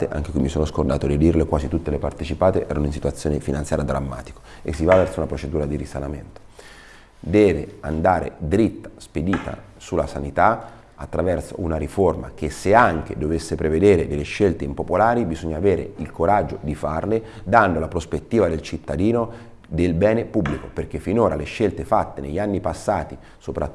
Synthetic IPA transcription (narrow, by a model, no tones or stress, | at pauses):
t̪eʔa̰ŋk̟ekwimisoːnoskord̪a̰ːt̪od̪id̪irlekwaːzit̪ut̪ːelepart̪et͡ʃipaːt̪eʔɛ̰ːɾanoinsit̪wat̪sːjoːnefinant̪sjaɾjad̪ːɾamːa̰ːt̪i̥ko̥ | esːivavːɛrtsounapɾot͡ʃed̪uːɾad̪iɾisalament̪o̥ | d̪ɛːvea̰nd̪aːɾḛd̪ɾit̪ːḁsped̪iːt̪a̰ | sulasanit̪a | at̪ːɾavɛrso̰unaɾiforma̰k̟esːeaŋk̟ḛd̪ovesːepɾeved̪eːɾed̪elːeʃːelt̪eimpopolaːɾibizoɲːaːveːɾḛilkoɾad͡ʒːod̪ifarle | d̪and̪olapɾospet̪ːiːvad̪elt͡ʃit̪ːad̪iːno | d̪elbɛːnepubːlikoperk̟efːinoːɾaleʃːelt̪efat̪ːeneʎːanːipasːaːt̪i | sopɾa